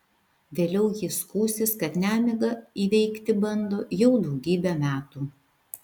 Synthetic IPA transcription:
ʋʲeːlʲɛʊjɪskuːsʲɪskɐt̪nʲæːmʲɪɡɐiːʋʲɛɪkt̪ʲɪbɐnd̪oːjɛʊd̪ɒʊɡʲiːbʲɛmʲæːt̪uː

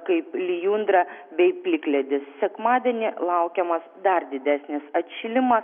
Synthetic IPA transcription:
kɐɪplʲɪjund̪ɾɐbʲɛɪpʲlʲɪklʲɛd̪ʲɪssʲɛkmɑːd̪ʲɛnʲɪlˠɐʊkʲɛmɐsd̪ɐrd̪ʲɪd̪ʲæːsʲnʲɪsɐt̪ʲʃʲɪlʲɪmɐs

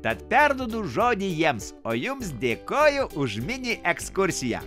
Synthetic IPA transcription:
t̪ɐt̪pʲæɾd̪oːd̪uːʒoːd̪ʲiːjiɛmsoːjʊms̬d̪ʲeːkoːjʊʔʊʒmʲɪnʲiʔɛkskʊɾʲsʲɪjæ̰ː

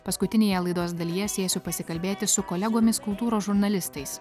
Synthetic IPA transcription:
pɐskʊt̪ʲɪnʲeːjɛlˠɐɪd̪oːsd̪ɐlʲiːjɛsʲeːsʲʊpɐsʲɪkɐlʲbʲeːt̪ʲɪsʊkɔlʲɛɡoːmʲɪskʊlˠt̪uːɾoːʒʊɾnɐlʲɪst̪ɐɪs

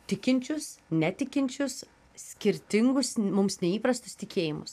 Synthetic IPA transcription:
t̪ʲɪkʲɪnʲt͡ʃʲʊsnʲɛt̪ʲɪkʲɪnʲt͡ʃʲʊs | sʲkʲɪɾʲt̪ʲɪŋɡʊsmʊmsnʲɛiːpɾɐst̪ʊst̪ʲɪkʲeːjɪmʊ̰s

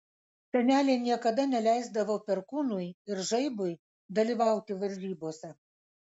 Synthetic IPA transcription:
sʲɛnʲæːlʲeːnʲiɛkɐd̪ɐnʲɛlʲæˑɪzd̪ɐʋoːpʲɛɾkuːnʊjɪɾʒɐɪbʊɪ | d̪ɐlʲiːʋɑˑʊt̪ʲɪʋɐɾʲʒʲiːboːsʲɛ

